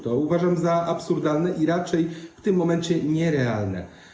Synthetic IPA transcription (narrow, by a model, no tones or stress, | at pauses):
t̪ɔuvaʐamzaʔapsuɾd̪alnɛʔiɾat͡ʂɛjft̪ɘmːɔmɛnt͡ɕɛɲɛɾɛalnɛ̰